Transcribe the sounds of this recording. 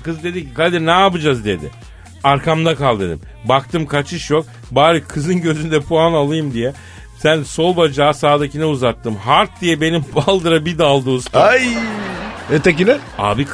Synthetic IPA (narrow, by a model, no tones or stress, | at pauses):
kɯzɯd̪e̞d̪icikad̪iɾnɛapɯd͡ʒazd̪e̞d̪ɪ̰ | aɾkʰamd̪akʰalˠd̪ɯɾɯ̰m | bak̚t̪ʰɯmkʰat͡ʃʰɯʃjo̞k̚ | baːɾɯkʰɯzɯnɟø̞zynd̪ɛpʰuanalˠɯjɯmd̪ijɛ | sænso̞lˠbad͡ʒaːsaːd̪acʰinɛuzat̪ːɯmɦaɾt̪̚d̪ijɛbe̞nimbalˠd̪ɯɾabid̪alˠd̪uːsaj | et̪ecilʲɛa̰ːbik